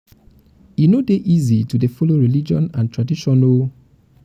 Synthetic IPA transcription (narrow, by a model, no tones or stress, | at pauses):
inodeʔizitudefɔloɹilid͡ʒɔ̰̃nãntɹadiʃɔ̃no